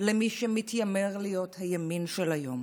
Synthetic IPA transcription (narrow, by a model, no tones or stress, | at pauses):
lemiʃemit̪ʰjameʁlijo̞thajaminʃelajo̞m